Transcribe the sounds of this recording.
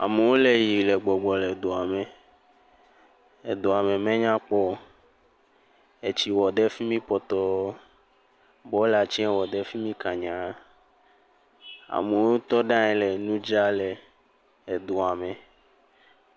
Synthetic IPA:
a̰˨me˨wo˦le˦ji˨lɛ˨ɡ͡bɔ˨ɡ͡bɔ˨le˨d̪o˨a˨me˨ | e˨d̪o˨a˨mẽ˨mẽ˦ɲã˦k͡pɔ˦ | e˨t͡ɕi˨wɔ˨ɖɛ˦fi˦mĩ˦pɔ˨t̪ɔ˦ | bɔ˦la˨t͡ʃi˦ɛ˦wɔ˨ɖɛ˦fi˦mĩ˦kã˨ɲã˨˦ | a̰˨me˨wo˦t̪ɔ˦ɖã˦ɛ˨le˨nũ˦d͡ʒa˦le˨ | e˨d̪o˨a˨mẽ˨

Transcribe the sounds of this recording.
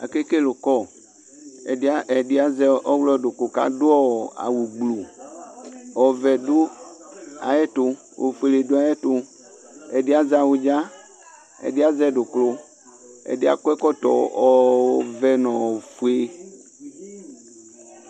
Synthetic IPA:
a̰˨ke˦ke˦lo˨kɔ˦˨˦ | a˦ɛ˨di˦a˦zɛ˦ɔ˦wlɔ˦do˨klo˨ka̰˨dʊ˦ɔ˦a̰˨wu˨ɡ͡blu˨ | ɔ˨vɛ˨du˦ | a̰˨ɛ˦tʊ˨ | o̰˨fu˨e˨le˨du˦a˨jɛ˦to˨ | ɛ˨di˦a˦za˨wu˨d͡ʒa˦ | ɛ̰˨di˦a˦zɛ˦dʊ˨klo˦ | ɛ̰˨di˦a̰˨kʷɛ˦kɔ˦tɔ̰˨ɔ˨vɛ˨nɔ̃˨o˨fu˨e˦

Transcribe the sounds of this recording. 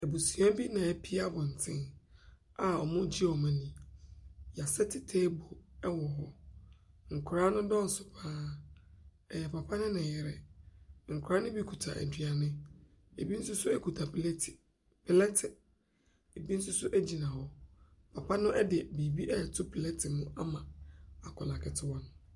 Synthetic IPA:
ɛ˨bo˨su˨a˦bi˦nã˨ɛ˦pʰi˦a˦bɔ˨n̩˨tʰɪ̰̃˦n | a˨ɔ˨mʊ̃˦d͡ʑi˦ɔ˨mã˨nĩ˨ | ja˨sɛ˦tʰɪ˨tʰeː˦bo˨ɛ˦wɔ˨ɦɔ˦ | ŋ̩˨kʰɾa˦nʊ̃˦dɔ̃˦n̩˨sʊ˨pʰaː˦ | ɛ˨jɛ˨pʰa˨pʰa˦nʊ̃˦nɪ̃˨jɛ˨ɾɛ˨ŋ̩˨kʰʷʊ˨ɾa˦nʊ̃˦bi˦kʰu˨tʰa̰˨ʔæ̰˨dɥa˨nɪ̃˦ | e˨bi˦n̩˦sʊ˦sʊ˦ɛ˦kʰu˨tʰa˨pʰltʰ | pʰɪ˨lɛ˦tʰɪ˨ | e˨bi˦n̩˦sʊ˦sʊ˦ʔæ˦d͡ʑi˨nã˨hɔ˦ | pʰa˨pa˦nʊ̃˦ʔɛ˦dɪ˨bi˨bi˦ʔɛ˦˨tʰʊ˦pʰɪ˨lɛ˦tʰɪ˨mʊ̃˦ʔa˦mã˨a˨kʰɔ˨lã˨kʰɪ˨tʰɪ˦wɔ˦nʊ̃˦

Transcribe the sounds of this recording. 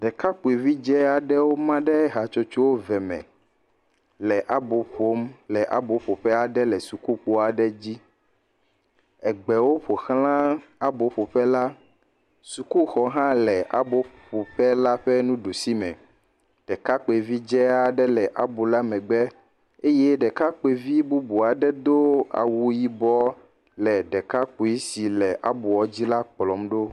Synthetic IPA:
ɖɛ˨ka˦k͡po˨e˨vi˦d͡ʒɛ˦a˨ɖɛ˦wo˦mã˦ɖɛ˦ɛ˦ɦa˨t͡ʃo˦t͡ʃo˦wo˦vɛ˨mɛ̰̃˨ | lɛ˨ʔa˦bo˨ɸo˦mlɛ˨ʔa̰˦bo˨ɸo˨ɸɛ˦a˨ɖɛ˦lɛ˨su˨ku˦k͡po˦a˨ɖɛ˦d͡ʑi˦ | ɛ˨ɡ͡bɛ˨wo˦ɸo˨xlã˦a˦bo˨ɸo˨ɸɛ˦la˦ | su˨ku˦xɔ˦ɦã˦lɛ˨ʔa̰˦bo˦ɸo˨ɸɛ˦la˦ɸɛ˦nũ˦ɖo˨si˦mɛ̰̃˨ | ɖ̥ɛ˨ka˦k͡pe˨vi˦d͡ʒɛ˦a˨ɖɛ˦lɛ˨ʔa˨bu˨la˦mɛ̃˨ɡ͡bɛ˦ | e˦jɛ˦ɖɛ˨ka˦k͡pe˨vi˦bu˦bu˨a˨ɖɛ˦d̪o˦a̰˨wu˦ji˦bɔ˦ | lɛ˨ɖɛ˨ka˦k͡po˨i˦si˨lɛ˨ʔa˦bu˨wɔ˨˦d͡ʑi˦la˦k͡plɔ˨mɖo˦

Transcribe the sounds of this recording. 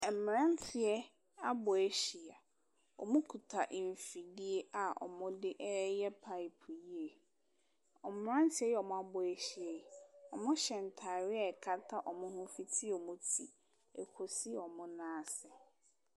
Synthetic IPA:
ɛ˨m˨ã˦n˦tʰɪ˨ɛ˦ | a˦bɔ˨ɛ˦ɕi˨a˨ | ɔ̰˨mʊ̃˦kʰu˨tʰa˨ʔɱ˨fi˨di˦e˦a˨ʔɔ̰˨mʊ̃˦dɪ˦ʔɛ˦jɛ˦pʰa˦i˨pʰji˦e˨ | ɔ˨m˨m˨˦ã˦n˦tʰɪ˨˦ɛ˦jɛ˦ɔ˨mʊ̃˦a˦bʊ˨ɛ˨ɕi˨ɛ˨ɔ̰˨mʊ̃˦ɕɛ˨n˨tʰa˨ɾɪ˦ɛ˦˨kʰa˦tʰa˦ʔɔ˨mʊ̃˦hʊ̃˦fi˦tʰi˦˨ɔ˨mʊ̃˦tʰi˨ | ɛ˨kʰo˨si˦˨ɔ˨mʊ̃˦nãː˦˨sɛ˨

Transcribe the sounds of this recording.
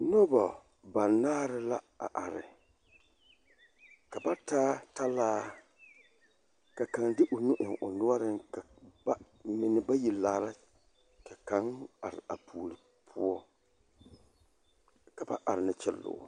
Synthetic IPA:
no˦ba˨ | ba˨nːaː˦ɾɪ˦la˦ | a̰˨ʔa˨ɾɪ̰˨ | ka˨ba˦taː˦ta˦laː˦ | ka˨ka˨ndɪ˦ʔʊ˨nʊ˦ʔɪ˨ŋʔʊ˨nʊ˦ɔ˦ɾɪ˦ŋka˨ba˦ | mɪ˨nɪ˨ba˦ji˨laː˨la˦ | ka˨ka˨˦ŋa̰˨ɾɪ̰˨a˨pʰuː˨lɪ˨ | pʰʊ˦ɔ˦ | ka˨ba̰˦ʔa˨ɾɪ˨nɨ˦t͡ʃɛ˦lːʊ̰ː˨

